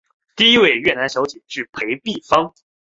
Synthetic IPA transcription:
t̪i˥˩i˥we˥˧ɪɥɛ˥˩na˧˥nɕjɑ˧˥t͡ɕi˨˩ʂɻ̩˥˩pʰe˧˥ɪpi˥˩fɑ˥ŋ

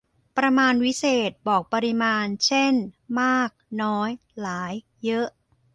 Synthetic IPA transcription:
pɾa˧maː˧nwi˦˥seː˨˩t̪̚bɔː˨˩k̚pa˧ɾi˧maː˧nt͡ɕʰe˥˩nmaː˥˩k̚nɔː˦˥j | laː˩˦jːɤ˦˥ʔ

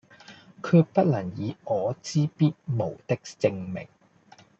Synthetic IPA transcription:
kʰyː˧pɐ˥t̚lɐ˨˩ŋjiː˨˧ʔɔː˨˧t͡siː˥piː˥t̚mo˨˩wt̪ɪ˥k̚t͡sɪ˧ŋmɪ̰˨˩ŋ

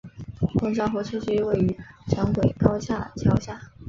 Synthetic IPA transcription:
kʊ˥˩ŋʈ͡ʂɑ˥ŋxɔ˧˥ʈ͡ʂʰɤ˥ɕɛ˥we˥˩ɪy˧˥ʈ͡ʂʰɑ˧˥ŋkwe˨˩ɪkɑ˥ʊɕja˥˩t͡ɕʰjɑ˥ʊɕja˥˩

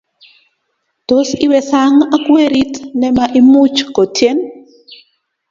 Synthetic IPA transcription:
to˦si˦wɛ˨sa˦ŋa˦kwe˦ɾi˦tnɛ˦maʔi˦mu˦t͡ʃko˨tʰje˦n

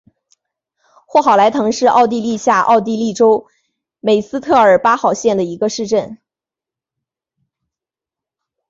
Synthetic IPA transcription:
xwɔ˥˩xɑ˨˩ʊla˧˥ɪt̪ʰɤ˧˥ŋʂɻ̩˥˧ʔɑ̰˥˧ʊt̪i˥˧li˥˧ɕja˥˧ʔɑ̰˥˧ʊt̪̬i˥˧li˥˩ʈ͡ʂo˥ʊ | me˨˩ɪsɹ̩˥t̪ʰɤ˥˩ə˞˨˩pa˥xɑ˨˩ʊɕjɛ˥˩nd̪ə˩i˧˥ɡə˧ʂɻ̩˥˧ʈ͡ʂə˥˩n

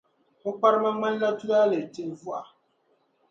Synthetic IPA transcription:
mu˦k͡pa˦ɾma˦ma˦n˦la˦tu˦ɡa˦le˨te˦n˨vu˦a˨

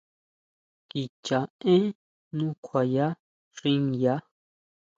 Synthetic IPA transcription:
ki˨t͡ʃa˨ẽ˦ | nũ˦kʷʰa˨ja˦ | rĩ˦ŋja˦

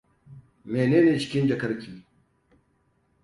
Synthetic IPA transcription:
meː˨neː˦neː˨t͡ʃɪ̥˦kʲɪ˦nd͡ʒɐ˨kɐ˦ɾkʲiː˨

